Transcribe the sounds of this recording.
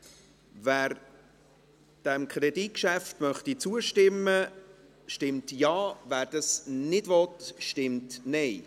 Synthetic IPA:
væːɾ | d̥ɛmkχɾɛdit̚kʃæftmœχtit͡suəʃtɪmːə | ʃtɪmtjɑːvæːɾd̥ɑsnɪdvɔtʃtɪmtnɛɪ

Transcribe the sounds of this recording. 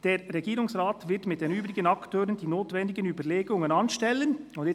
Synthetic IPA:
d̥eːʁʁɛɡiːɾʊŋsʁaːtvɪɐtmɪt̚d̥eːnyːbʁɪɡənɑktʰøːʁəndiːnoːtvɛndɪɡənyːbəleːɡʊŋənɑnʃtɛlənʊndɪ

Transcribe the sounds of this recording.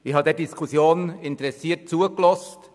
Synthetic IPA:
ɪhɑːdɛːɾdiskʰusjoːnɪntəɾɛsiːt̚t͡suəklɔst

